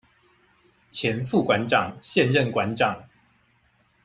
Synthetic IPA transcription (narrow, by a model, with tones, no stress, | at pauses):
t͡ɕʰjɛ˨˦nfu˥˨kwa˨˦nʈ͡ʂɑ˨˩ŋɕjɛ˥˨nɻə˥˨˩nkwa˧˦nʈ͡ʂɑ˨˩ŋ